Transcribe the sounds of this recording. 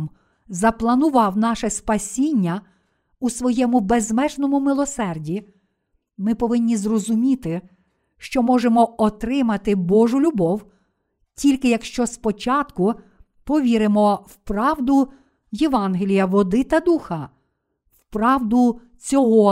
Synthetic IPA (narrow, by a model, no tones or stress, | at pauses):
m | zɐplˠɐnʊʋɑwnɑʃɛspɐsʲinʲːɐ | usʋɔjɛmʊbezmɛʒnɔmʊmɪlˠɔsɛrdʲi | mɪpɔʋɪnʲːizrɔzʊmʲit̪ɪ | ʃt͡ʃɔmɔʒemɔɔt̪ɾɪmɐt̪ɪbɔʒʊlʲʊbɔw | tʲilʲkɪjɐkʃt͡ʃɔspɔt͡ʃɑt̪kʊ | pɔʋʲiɾɪmɔwpɾɑwd̪ʊ | jeʋɑnɦelʲijɐʋɔd̪ɪt̪ɐd̪uxɐ | wpɾɑwd̪ʊ | t͡sʲɔɦɔ